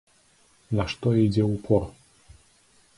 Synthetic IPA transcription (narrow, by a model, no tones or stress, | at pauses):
naʂt̪ɔid͡zʲɛupʰɔr